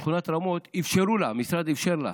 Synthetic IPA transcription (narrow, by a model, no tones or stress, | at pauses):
χunat̪ɾamo̞t̪ifʃeɾulamisɾad̪ifʃeɾla̰